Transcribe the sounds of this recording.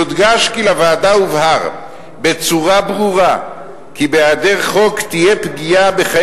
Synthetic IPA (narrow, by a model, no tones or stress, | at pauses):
od̪ɡaʃkilavaːdauvɦaʁ | be̞t͡suʁabʁuʁa | kibeadeʁχo̞kt̪ijepɡijabe̞χa